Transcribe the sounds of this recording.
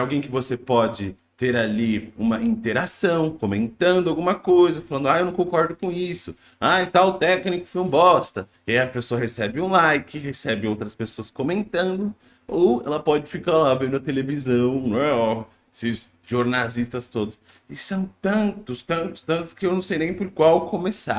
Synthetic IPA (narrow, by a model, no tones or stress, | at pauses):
awɡẽj̃kɪvosepɔd͡ʒɪ | t̪eɾaliũmɐĩt̪eɾasɐ̃w̃komẽnt̪ɐ̃nd̪ʊawɡũmɐkojzɐfalɐ̃nd̪ʊajewnɐ̃w̃kõkɔɾd̪ʊkõisʊ | ajt̪awʊt̪ɛknikʊ̥fiũmbɔst̪ɐ | ajɐpesoɐɦesɛbɪũlajkɪhesɛbɪowt̪ɾɐspesoɐskomẽnt̪ɐ̃nd̪ʊ | owɛ̰lɐpɔd͡ʒɪfikalavẽd̪ʊɐt̪elevizɐ̃w̃nɐ̃w̃ɛɔ | esɪz | ʒoɾnazist̪ɐst̪od̪ʊs | ɪsɐ̃w̃t̪ɐ̃nt̪ʊst̪ɐ̃nt̪ʊ̥st̪ɐ̃nt̪ʊ̥skɪewnɐ̃w̃sejnẽj̃poɾkwawkʰomesa̰